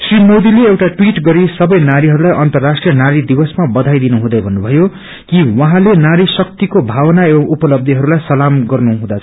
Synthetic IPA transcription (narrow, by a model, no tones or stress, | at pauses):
srimod̪ileewʈaʈwiʈɡʌɾisʌbʌjnaɾiɦʌɾulajʔʌnt̪ʌrːasʈrijʌnaɾid̪ibʌsmabʌd̪ʱajd̪inuɦũd̪ʌjbʱʌnːubʱʌjo | kiwʌɦãlenaɾisʌkt̪ikobʱawʌnaebʌŋupʌlʌb̚d̪ʱiɦʌɾulajsʌlamɡʌrnuɦũd̪at͡sʰʌ